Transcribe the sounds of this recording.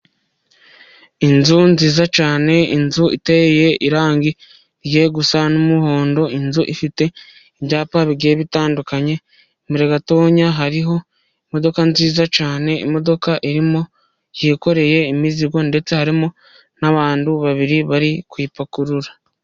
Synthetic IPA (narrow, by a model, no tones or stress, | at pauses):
inzunziːzat͡ʃaːne̞inzuḭteeje̞iɾaːŋɡi | ɾje̞ːɡusanomuho̞ːndo̞inzuʔifite̞ | iβɟaːpaβiɾɡe̞ːβitaːndukaɲe̞ | miɾe̞ɡato̞ːɲaɦaɾiɦo̞ | imo̞do̞kanziːzat͡ʃaːne̞ḭmo̞do̞kaʔiɾimo | jeːko̞ɾe̞je̞imiziɡo̞nde̞t͡se̞haɾimo | naβaːnduβaβiɾiβaɾikwiːpakuɾuɾa